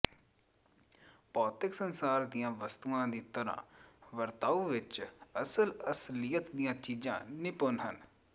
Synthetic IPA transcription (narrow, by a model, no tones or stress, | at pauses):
pɔːt̪ɪksənsaːɾd̪ijãːʋəst̪uãːd̪iːt̪əɾã̰ːʋəɾt̪aːuːʋɪt͡ʃəsələslijət̪d̪ijãːt͡ʃiːd͡ʒã̰ːnɪpʊnɦən